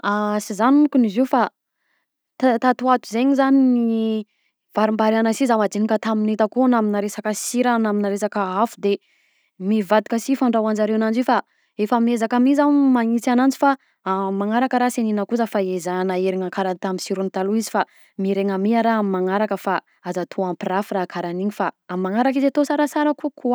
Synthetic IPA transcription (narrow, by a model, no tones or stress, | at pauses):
asizanukunizifa | t̪t̪at̪uat̪uzeɲizanini | v̥aɾimbaɾianasizamad͡ʒinikət̪aminet̪əkunaminaɾesakəsiɾanaminaɾesakəafud̪e | mivad̪i̥kəsifaɳɖ͡ʐawand͡ʒaɾewanand͡ʒiwfa | efamiezakamizawmaŋit͡sanand͡zifa | amːaŋaɾakəɾaseninəkuzəfaezanaeɾiŋakaɾanit̪amisiɾunit̪aluizi̥fa | miɾeŋamiaɾaamimaŋaɾakəfa | azat̪ʰoampirafuɾakʰaɾaniɲifaamimaŋaɾakizat̪osaɾasaɾəkukʰua